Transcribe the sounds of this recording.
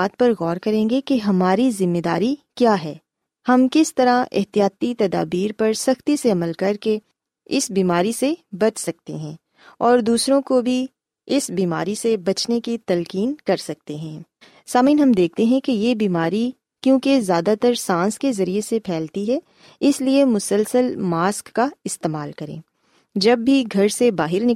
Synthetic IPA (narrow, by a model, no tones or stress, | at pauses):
aːt̪̚pɐɾɣɔːɾkɐɾẽːŋɡekeɦɐmaːɾizɪmːed̪aːɾikjaːɦɛː | hɐmkɪst̪ɐɾaɪ̰ɦt̪ijaːt̪it̪ɐd̪a̰ːbiːɾpɐɾsɐxt̪iseɐməlkɐɾke | ɪsbiːmaːɾisebɐt͡ʃsɐk̚t̪eɦɛ̃ː | ɔːɾd̪uːsɾõkobʱi | ɪsbiːma̰ːɾisebɐt͡ʃnekit̪ɐlkiːnkɐɾsɐk̚t̪eɦɛ̃ː | saːmĩːnɦɐmd̪eːk̚ʰt̪eɦɛ̃kejebiːmaːɾi | kjõːkezjaːd̪at̪ɐɾsãːskezɐɾiesepʰɛːlt̪iɦɛː | ɪsliemʊsəlsəlmaːskːaɪst̪eːmaːlkɐɾḛ̃ː | d͡ʒɐbːʱiɡʱɐɾsebaːɦɪɾnɪ